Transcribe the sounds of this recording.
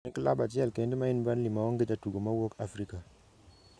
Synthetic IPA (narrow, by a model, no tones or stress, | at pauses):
iŋkəlabad͡ʒialkendimajinbanlimawaŋɡidatuɡomawokafɾika